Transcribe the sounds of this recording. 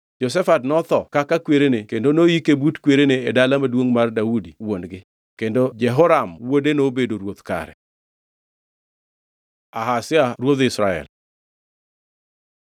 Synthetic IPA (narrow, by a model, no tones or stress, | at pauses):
d͡ʒɔs̬ɛfatnɔt̪ɔkakakweɾenekendonoikebutkweɾeneːdalamadwoŋmardaudiwonɡɪ | kendod͡ʒɛɦɔɾamwodenobedoɾwot̪ka̰ɾɛ̰ | aɦasɪaɾwod̪ɪsɾaɛ̰l